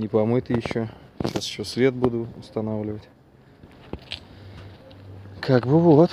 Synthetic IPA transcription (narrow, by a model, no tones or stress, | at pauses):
nʲɪpɐmɨjt̪ɨjɪɕːoɕasjɪɕːosvʲet̪̚bud̪ʊʊst̪ɐnavlʲɪvətʲ | kʰakbɨvɨɐt̪